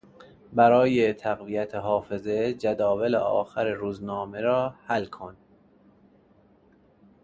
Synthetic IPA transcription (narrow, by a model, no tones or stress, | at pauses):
bæɾɒːjet̪ʰæɣvijæt̪ʰeɦɒːfe̞zed͡ʒæd̪ɒːvelḛʔɒ̰ːxæɾeɾuːznɒːmeɾɒːhælkʰon